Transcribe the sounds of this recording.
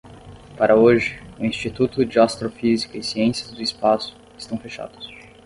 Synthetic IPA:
paɾʔɐoʒɪʊĩst͡ʃit̪ut̪ʊd͡ʒɪast̪ɾofizikʊɪsiẽsijɐzd̪ʊɪspasʊ̥ | ɪst̪ɐ̃w̃feʃa̰d̪ʊs

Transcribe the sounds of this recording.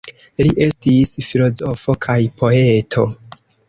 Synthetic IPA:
liʔe̞stisfilo̞zo̞fo̞kʰajpʰo̞e̞tʰo̞

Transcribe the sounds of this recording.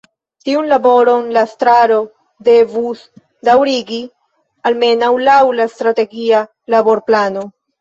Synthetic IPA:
tiunlabo̞ɾo̞nlastɾaɾo̞ | de̞vus | dawɾiɡi | alme̞nawlawlastɾate̞ɡia | labo̞ɾplano̞

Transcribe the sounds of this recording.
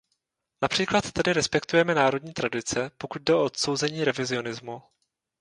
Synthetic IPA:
napr̝̥iːklat̪ːɛdɪɾɛspɛkt̪ujɛmɛnaːɾo̞dɲiːt̪ɾadɪt͡sɛpokud̪̚dɛoʔot̪so̞wzɛɲiːɾɛvɪzɪo̞nɪzmu

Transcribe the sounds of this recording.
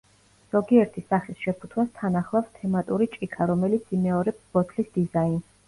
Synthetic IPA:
z̥ɔɡiɛɾt̪ʰisaχisʃɛpʰu̥t̪ʰwast̪ʰanaχlˠafst̪ʰɛmat̪ʼuɾit͡ʃʼikʰaɾɔmɛlit̪sʰimɛɔɾɛpsb̥ɔt̪ʰlisd̪̥izains

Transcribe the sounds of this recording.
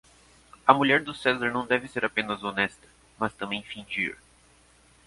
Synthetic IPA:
ɐmuʎɛɾd̪ʊsɛzɐɾnɐ̃w̃d̪ɛvɪseɾapẽnɐzonɛst̪ɐ̥ | mɐst̪ɐ̃mbẽj̃fĩd͡ʒḭɾ

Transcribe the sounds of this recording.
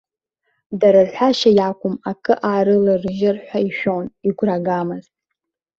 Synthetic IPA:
daɾɨrħʷᶣaʃajakʷʼʊmakʰʼɨʔaːɾɨlɨrʒɪrħʷᶣaiʃᶣoniɡʷraɡamɨztʼ

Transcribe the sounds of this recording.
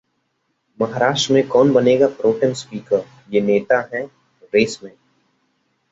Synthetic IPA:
mɐɦaːɾaːʃʈɾəmẽkɔːnbɐneːɡapɾoːʈə̃nspiːkəɾ | jeːneːt̪aɦɛ̃ | ɾeːsmẽː

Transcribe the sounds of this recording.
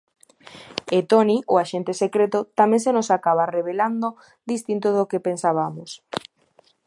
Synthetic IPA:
et̪oniʔoaʃent̪esekɾet̪ot̪amẽŋsenosakaβareβeland̪o | d̪ist̪int̪oðokepensaβamos

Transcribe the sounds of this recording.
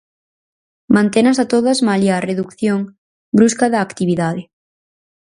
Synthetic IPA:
mãnt̪enasat̪oð̞azmaljareðukθjoŋ | bɾuskaðaːkt̪iβ̞iðaðe

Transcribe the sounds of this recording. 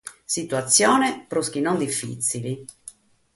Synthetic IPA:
sit̪wat̪sːjɔːnepɾusk̟inond̪ifːḭt̪sili

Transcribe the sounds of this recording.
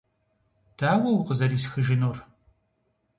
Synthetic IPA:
d̥aːwɐwqəzɐriːsxɨʒɪnoːr

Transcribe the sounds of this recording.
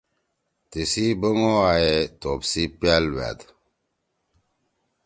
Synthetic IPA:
tesibəŋoajɛtopsipjalwa̰t

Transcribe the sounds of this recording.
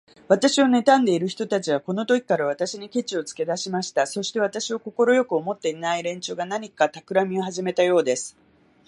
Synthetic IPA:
β̞at̪aɕio̞ne̞t̪ãnd̪e̞iɾɯ̟çʲi̥t̪o̞t̪at͡ɕiβako̞no̞t̪o̞kʲi̥kaɾaβ̞at̪aɕiɲ̟ikʲe̞t͡ɕio̞t͡sɨ̥ke̞d̪aɕimaɕi̥t̪aso̞ɕi̥t̪e̞βat̪aɕioko̞ko̞ɾo̞jo̞kɯo̞mo̞t̪ːe̞inaiɾẽ̞ɲ̟t͡ɕoːɡanaɲ̟ikat̪akɯ̟ɾamʲio̞ɦaʑime̞t̪ajo̞ːd̪e̞sɨ̥

